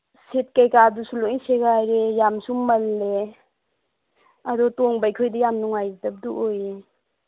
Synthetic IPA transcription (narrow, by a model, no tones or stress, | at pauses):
set̚kajkadusuloʔiŋseɡajɾejamsummːɐlːe | adɔtoŋbajkʰojdijamnuŋajdɐp̚duʔoje